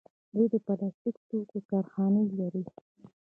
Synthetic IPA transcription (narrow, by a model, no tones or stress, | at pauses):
d̪ed̪əpalɑst̪ikt̪ukokɑɾxɑnəlaɾi